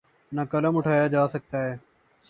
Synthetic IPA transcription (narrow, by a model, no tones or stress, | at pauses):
nəkələmʊʈʰaːjaːd͡ʒaːsək̚t̪aːɦeː